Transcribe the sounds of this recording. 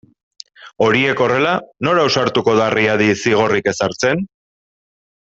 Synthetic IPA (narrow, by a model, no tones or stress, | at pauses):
o̞ɾie̞ko̞re̞lano̞ɾausaɾt̪uko̞ðariaðisiɣ̞o̞rike̞saɾt͡se̞n